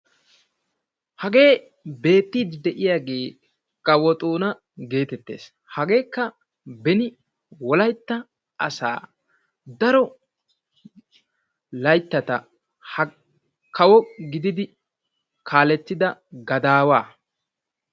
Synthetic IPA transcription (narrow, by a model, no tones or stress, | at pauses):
hɐɡe̞ː | be̞ːt̪ːiːd̪d̪ɛʔɪjaːɡe̞ː | kʼɐwɔt̪ʼuːnɐ | ɡe̞ːt̪ɛt̪ːe̞̰ːs | hɐɡe̞ːkːɐ | bɛnɪ | wɔlɐjt̪ːɐ | ʔɐsa̰ː | d̪ɐɾɔ | lɐjt̪ːɐt̪ɐ | hɐ | kʰɐwɔɡɪd̪ɪd̪ɪ | kʰaːlɛt̪ːɪd̪ɐɡɐd̪aːwaː